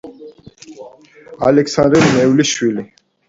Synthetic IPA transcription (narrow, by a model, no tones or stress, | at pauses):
a̰lɛksand̪ɾɾmɛvliʃwili